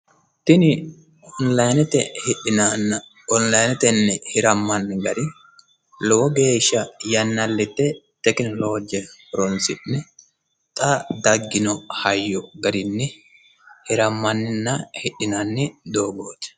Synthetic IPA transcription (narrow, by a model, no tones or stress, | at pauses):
t̪ɪnɪ | ɔnlɐjnɛt̪ɛhɪɗɪnanːɐ | ɔnlɐjnɛt̪ɛnːɛhɪɾɐmːɐnːɪɡɐɾɪ | lɔwɔɡe̞ːʃːɐjɐnːɐlːɛt̪ːɛ | t̪ɛkɪnloːd͡ʒɛfɔɾɔnsɪnːɛ | t̪ʼɐd̪ɐɡːɪnɔhɐjːɔɡɐɾɪnːɛ | hɪɾɐmːɐnːɪnːɐhɪɗɪnanːɛd̪o̞ːɡo̞ːt̪ɛ̥